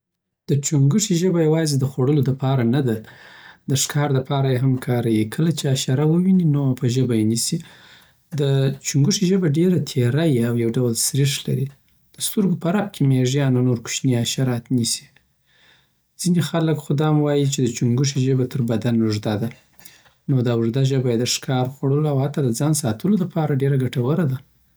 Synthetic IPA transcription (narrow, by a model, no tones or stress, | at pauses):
d̪̥ət͡ʃuŋɡuʂiʒəbajawɑzed̪əxwaɽəlod̪əpɑɾanad̪ad̪əʂkɑɾd̪əpɑɾajeɦamkʰɑɾajikʰəlat͡ʃeaʃaɾawəwininopəʒəbajenisi | d̪ət͡ʃuŋɡuʂiʒəbaɖeɾat̪ʰeɾajiawjawɖawəlsɾiʂla̰ɾi | d̪̥əst̪əɾɡopaɾab̚kʰemeʒjɑnanoɾku̥ʃniaʃaɾɑt̪nisi̥ | d͡z̥inexaləkxʊd̪ɑmwɑjit͡ʃed̪ət͡ʃuŋɡuʂ̬iʒəbat̪ʰəɾbad̪anuʐd̪ad̪a | nod̪ɑʊʐd̪aʒəbajed̪əʂkɑɾxwaɽəloawhat̪ːɑd̪əd͡zɑnsɑt̪ʰəlolapʰɑɾaɖeɾaɡaʈawəɾad̪a